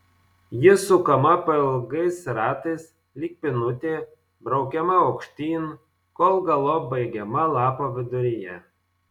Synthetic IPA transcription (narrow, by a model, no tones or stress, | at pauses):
jɪsʊkɐmɐpɐɪlˠɡɐɪsɾɑːt̪ɐɪs | lʲiːk̚pʲɪnʊt̪ʲeː | bɾɒʊkʲɛmɐɐʊkʃʲt̪ʲiːn | koːlˠɡɐlˠoːbɐɪɡʲɛmɐlˠɑːpoːʋʲɪd̪ʊɾʲɪjɛ